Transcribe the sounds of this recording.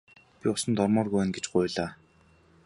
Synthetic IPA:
pʲiʊsə̆nt̪ɔrmɔːrɣujwæːnɡet͡ɕɢʊjɮaː

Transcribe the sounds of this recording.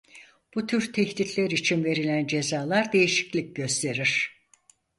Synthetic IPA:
b̥ut̪ʰyɾt̪ʰeçt̪it̪ʰlʲeɾit͡ʃʰinve̞ɾilʲænd͡ʒe̞zaːlˠaɾd̪e̞jiʃi̥clʲic̚ɟø̞st̪ʰe̞ɾiɾ̥

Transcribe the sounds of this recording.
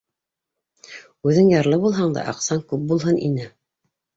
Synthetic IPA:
ʉðɘŋjɑɾlˠɤbulˠɦɑɴd̪ɑ̰ʔɑqsɑŋkʉp̚bulˠɦɤnʔḭnɘ

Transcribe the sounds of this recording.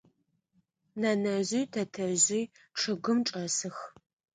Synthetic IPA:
nɐnɐʑʷiːtʰɐtʰɐʑiː | ʈ͡ʂʰɨɡʷɨmʈ͡ʂʼɐsɨx

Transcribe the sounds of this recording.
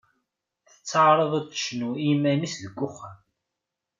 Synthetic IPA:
θə̥t͡sːaʕɾˤəðˤat̪ːə̥ʃnuimænisðəɡʷːʊχːəm

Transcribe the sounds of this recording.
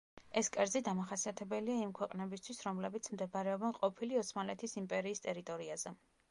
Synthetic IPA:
ɛskʼɛɾzid̪amaχasiat̪ʰɛbɛliaimkʰwɛqʼnɛbist̪ʰwisɾɔmlɛbit̪sʰmd̪ɛbaɾɛɔbɛnqʼɔpʰiliɔt̪sʰmanlɛt̪ʰisimpʼɛɾiːst̪ʼɛɾit̪ʼɔɾiazɛ

